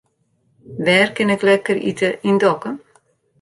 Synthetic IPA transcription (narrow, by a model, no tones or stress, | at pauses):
ʋɛːrkɪnɛklɛkərḭtəindɔkən